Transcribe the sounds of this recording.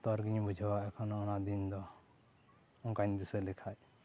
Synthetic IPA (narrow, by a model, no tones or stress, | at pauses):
t̪ɔɾɡiɲbud͡ʒʱawaɛkʰɔnɔɔnad̪ind̪ɔ | ɔŋkaɲd̪isɛlikʰaj